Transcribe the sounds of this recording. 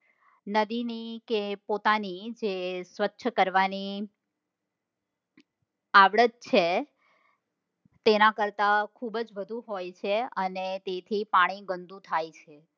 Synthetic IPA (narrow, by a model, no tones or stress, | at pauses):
nəd̪inikepot̪anid͡ʒesʋətːʃʰkəɾʋani | aʋɭəd̪̚t͡ʃʰe | t̪enãkəɾt̪akʰubd͡ʒʋəd̪ʱũɦojt͡ʃʰeənet̪et̪ʰipaɽ̃iɡənd̪ʱũt̪ʰajt͡ʃʰe